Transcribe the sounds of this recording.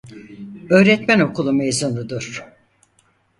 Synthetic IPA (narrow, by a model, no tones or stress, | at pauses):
ø̞ːɾɛt̪mæno̞kʰulˠumejzunud̪uɾ̥